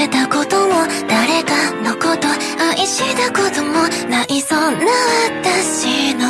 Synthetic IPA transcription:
et̪ako̞t̪omo | d̪̥aɾe̞kanoko̞t̪o | aʔiɕid̪akod̪omo | naʔiso̞naβat̪aɕino

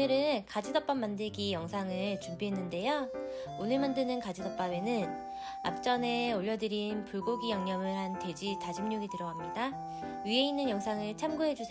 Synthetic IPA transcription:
ɯɾɯnkad͡ʑidʌp͈amːandɯɭɡijʌŋsʰaŋɯɭt͡ɕumbiɦe̞nːɯnde̞jo | onɯɭmandɯnɯnkad͡ʑidʌp͈ame̞nɯn | a̰p̚t͡ɕ͈ʌne̞oʎːʌdɯɾinpuɭɡoɡijaŋɲʌmɯɭhante̞d͡ʑitad͡ʑimɲoɡitɯɾʌwamɲida | ɥie̞inːɯnjʌŋsʰaŋɯɭt͡ɕʰamɡuɦe̞d͡ʑusʰ

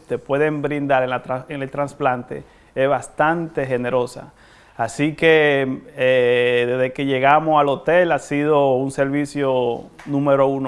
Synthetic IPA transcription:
t̪epwe̞ðe̞mbɾind̪aɾenlat̪ɾaene̞lt̪ɾansplant̪e̞̰ | ezβast̪ant̪e̞xe̞ne̞ɾo̞sa̰ː | sikeeðe̞zðeke̞ʝe̞ɣamosalo̞t̪elasiðounse̞ɾβisjonũmeɾoun

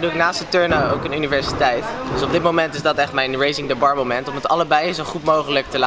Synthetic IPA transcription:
duɪknaːstətøɹnao̰wkənynivɛɹsitɛjtdəsɔb̚dɪt̚mowmɛntɪzdɑtɛχtmɛjnɹejzɪ̃ŋdəbɑɹmomɛntɔmətɑləbɛjzowχutmowχələk̚təla

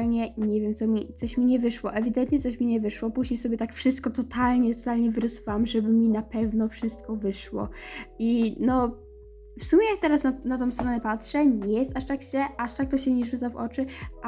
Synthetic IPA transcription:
lɲɛɲɛvʲjɛmt̪sɔmʲit̪sɔɕmʲiɲɛvɘʂwɔʔɛvʲid̪ɛnt̪ɲɛt̪sɔɕmʲiɲɛvɘʂwɔpuʑɲejsɔbʲjɛt̪akfʂɨst̪̚kɔt̪ɔt̪ʰalɲɛt̪ɔt̪alɲɛvɘɾɔsuvawamʐɛbɘmʲinapɛvnɔfʂɘst̪̚kɔvɘʂwɔ̰inɔ | fsumʲɛjak̚t̪ɛɾasnanat̪ɔ̃w̃st̪ɾɔnɛpatʂɛɲɛjɛst̪aʂt̪akɕɛʔaʂt̪ak̚t̪ɔɕɛɲɛʐut̪savɔ̰t͡ʂɘ

